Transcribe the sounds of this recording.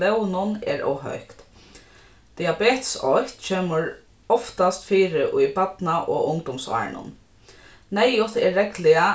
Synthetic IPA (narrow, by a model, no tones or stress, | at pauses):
lɛwnʊnɛ̰ɾɔ̰wɦœ̰ɥhkt̪ | d̪̥iabeːt̪sɔt̪t͡ʃʰeːməɹ | ɔft̪ast̪fiːɾɪʔʊjbat̪naʔɔ̰ːʊŋd̪ɔmsɑ̰ːɹnʊ̰n | nɛjʊt̪ɛːɛklɪa